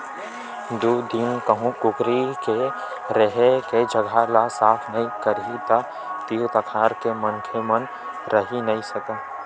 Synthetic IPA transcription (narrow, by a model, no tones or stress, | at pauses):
d̪ud̪inkəɦũkʊkɾike | ɾeɦeked͡ʒəɡʱalasaːpʰnɐɦĩkəɾit̪a | t̪iːot̪əkʰaːɾkemənkʰemən | ɾəɦinɐɦĩsəka